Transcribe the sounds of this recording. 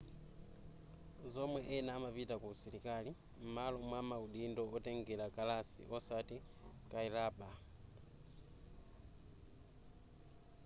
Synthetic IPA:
zomweʔenamapitakusilikali | m̩malomwamauɗindoːteŋɡelakalasḭʔosatikaiɾaba

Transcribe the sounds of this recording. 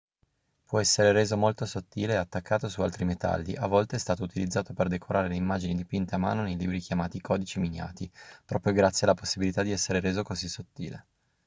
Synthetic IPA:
pwɔɛsːeɾeɾeːzomolt̪osot̪ːiːleːat̪ːakːaːt̪osua̰lt̪ɾimet̪a̰lːḭʔavːɔlt̪eɛst̪aːt̪out̪ilid̪zːaːt̪operd̪ekʰoɾʔaːɾeleimːaːd͡ʒinid̪ipint̪eama̰ːnonejlḭbɾik̟jamaːt̪ikʰɔːd̪it͡ʃiminja̰ːt̪ipɾɔːpɾjoɡɾat̪sːjealːaposːibilit̪ad̪iɛsːeɾeɾeːzokozisːot̪ːḭːlḛ

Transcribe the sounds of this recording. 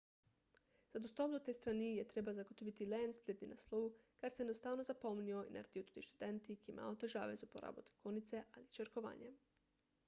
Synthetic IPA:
zad̪ost̪opd̪ot̪ejst̪ɾanijet̪ɾebazaɡot̪oʋit̪ilensplʲed̪ninaslˠoʋukaɾsejenost̪aːʋnozapo̞mnioina̰ɾed̪iot̪u̥t̪iʃt̪u̥d̪ent̪ikima̰ːlot̪eʒa̰ːʋezupo̰ɾa̰ːbot̪ekonit̪seʔalit͡ʃeɾkoʋa̰ːɲe

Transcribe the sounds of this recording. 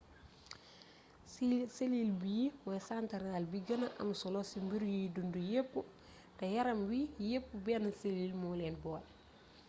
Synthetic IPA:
selilbijiwɛsantɐɾaːlbiɡɐnɐʔɐ̰msɔlɔsimbiɾjudundujepːu | tɐjɐɾɐmwijepːubɛnɐselilmulɛnbɔːl

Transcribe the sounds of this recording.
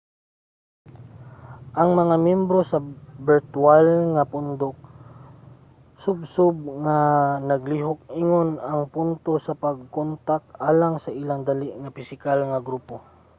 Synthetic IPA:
ʔɐŋmɐŋamjɛmbɾosɐbɪɹt̪walŋapʊnd̪ok̚ | sʊb̚sʊb̚ŋanɐɡliɦok̚iŋonɐŋpʊnt̪osɐpaɡ̚kont̪akʔaːlaŋsɐʔilaŋd̪aliʔŋapɪsɪkalŋɐɡɾuːpo

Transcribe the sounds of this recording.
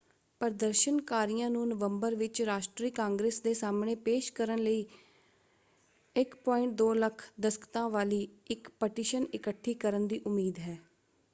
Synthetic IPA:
pəɾd̪əɾʃənkaːɾijãːnũːnəʋəmbəɾʋɪt͡ʃɾaːʃʈɾiːkãːŋɡɾeːsd̪eːsaːmɳẽːpeːʃkəɾənləiː | ɪkpɔːɪ̃ɳʈ̚d̪oːləkʰd̪əskə̥t̪ãːʋaːliːɪkpəʈiːʃənɪkəʈʰːiːkəɾənd̪iːʔʊmːiːd̪ɦɛː

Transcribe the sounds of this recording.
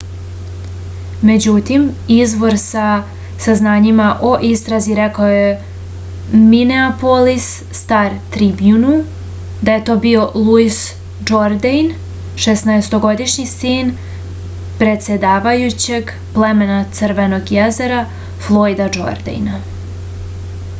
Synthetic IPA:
me̞d͡ʑut̪imizʋo̞ɾsa | saznaːɲimaʔo̞ʔist̪ɾaziɾekaoje | mineapolisːt̪aːɾt̪ɾibjunu | d̪aje̞t̪o̞ːbio̞lˠuis | d͡ʒo̞ɾd̪ejn | ʃesnaest̪o̞ɡo̞d̪iʃɲisin | pɾe̞t̪sʲed̪aːʋajut͡ɕe̞ɡ | plˠeme̞nat̪sɾʋe̞no̞ɡjeze̞ɾa | flˠo̞jd̪ad͡ʒo̞̰ɾd̪ḛjna

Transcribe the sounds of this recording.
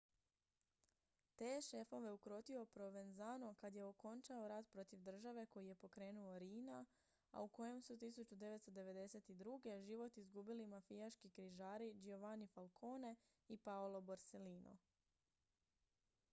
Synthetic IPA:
t̪eːʃe̞fo̞ʋe̞ukɾo̞t̪io̞pɾo̞ʋe̞nzano̞kad̪je̞o̞ko̞nt͡ʃao̞ɾad̪pɾo̞t̪iʋd̪r̩ʒaʋe̞ko̞jije̞po̞kɾe̞ːnuo̞ɾiːna | a̰uko̞je̞msut̪isut͡ɕud̪e̞ʋe̞t̪st̪od̪e̞ʋe̞d̪e̞se̞t̪id̪ɾuɡe̞ʒiʋo̞t̪izɡuːbilimafijaʃkikɾiʒaːɾid͡ʒioʋanifalˠkʰo̞ːne̞ | ipaolo̞boɾse̞liːnʔo̰

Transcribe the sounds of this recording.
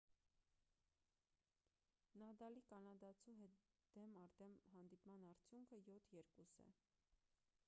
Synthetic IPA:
nɑd̪ɑlikʰɑnɑd̪ɑt͡sʰuɦɛd̪̥ɛmɑɾd̪ɛmɦɑnd̪ipmɑnɑɾt͡sʰjuŋkʰəjɔt̪ʰjɛɾkusɛ̰

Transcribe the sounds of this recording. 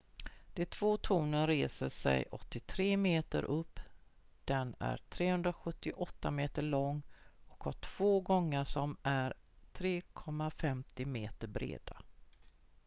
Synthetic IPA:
d̪̥ɛt̪ʰv̥oːt̪ʰuːnənɾeːsəʂɛ̰jʔɔt̪ːɪt̪ʰɾeːmeːt̪ə̰ɾʔɵpː | d̪̥ɛnæ̰ɾʈʰɾeːhɵnd̪ɾaɧɵt̪ːɪʔɔt̪ːameːt̪əɭɔŋːɔkhaʈʰv̥oːɡɔŋːəʂɔmæɾ | t̪ʰɾeːkʰɔmːafɛmt̪ɪmeːt̪əɾbɾḛːd̪a

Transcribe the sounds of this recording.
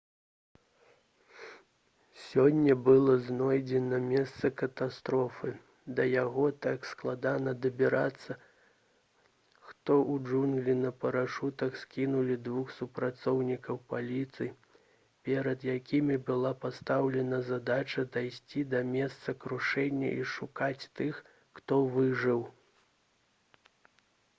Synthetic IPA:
sʲɔnʲːɐbɨlˠɔznɔjd͡zʲɛnɐmʲɛst̪sɐkɐt̪ast̪ɾɔfɨ | d̪ɐjaɣɔt̪aksklˠad̪anɐd̪ɐbʲiɾʔat̪sːɐ | xt̪ɔʔuʐunɡlʲinɐpɐɾaʂut̪ɐxskʲinulʲid̪vuxsupɾat̪sɔwnʲikɐwpalʲit̪sɨj | pʲɛɾɐd̪jakʲimʲibɨlˠapast̪awlʲɛnɐzad̪at͡ʃɐd̪ajsʲt͡sʲid̪ɐmʲɛst̪sɐkɾuʂɛnʲːɐ̰ʔiʂukat͡sʲt̪ɨxː | t̪ɔvɨʐɨw

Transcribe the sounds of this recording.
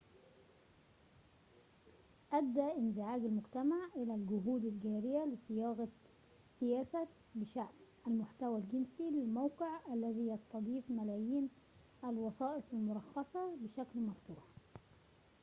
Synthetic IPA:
ʔæd̪ːæːʔɪnzɪʕaːɡɪlmʊɡt̪amaʕʔɪlælɡʊɦuːd̪ɪlɡæːɾɪjælɪsˤɪjɑːɣɑ | sɪjæːsæ | bɪʃaʕmʔælmʊħt̪æwælɡɪnsilɪlmawqɪʕʔælːæðiːjɑst̪ˤɑd̪ˤiːfmælæːjiːn | ʔælwɑsˤɑːʔɪfalmʊɾˤɑxːɑsˤɑbɪʃæklmɑft̪uːɾɑ

